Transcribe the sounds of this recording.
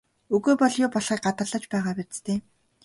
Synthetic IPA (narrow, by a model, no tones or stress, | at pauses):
ɵɣoːpɔɮjʊːpɔɮχiːk̚ɢat̪ə̆ɮə̆t͡ɕpæːʁaːpæt͡st̪ʰeː